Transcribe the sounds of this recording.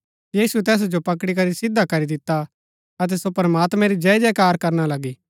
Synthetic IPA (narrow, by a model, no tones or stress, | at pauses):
jiːsut̪ɛːs̬d͡ʒopɐkɽik̬ɐɾisɪd̪ʱakɐɾid̪ɪt̪a | ɐt̪̬ɛsopɐɾəmaːt̪mɛ̃ɾid͡ʒɛd͡ʒɛːkaːɾkɐɾnalɐɡiː